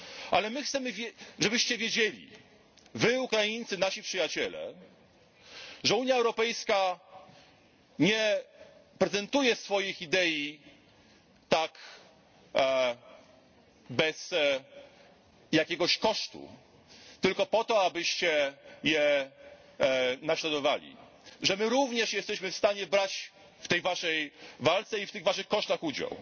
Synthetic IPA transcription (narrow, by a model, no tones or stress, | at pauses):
ʔalɛmɘxt̪sɛmɘvʲjɛʐɛbɘɕt͡ɕɛvʲjed͡ʑelʲḭ | vɘukɾajint̪sɘnaɕipʂɘjat͡ɕɛlɛ̰ | ʐɛuɲjaɛwɾɔpɛjska | ɲɛ | pɾɛzɛnt̪ujɛsfɔjixid̪ɛji | t̪ak | bɛs | jakʲɛɡɔɕkɔʂt̪ṵ | t̪ɘlkɔpɔt̪ɔabɘɕt͡ɕɛjɛ | naɕlad̪ɔvalʲḭ | ʐɛmɘɾuvɲɛʂjɛst̪ɛɕmɘfst̪aɲɛbɾat͡ɕ | ft̪ɛjvaʂɛjvalt̪sɛift̪ɘɣvaʂɨxkɔʂt̪axud͡ʑa̰w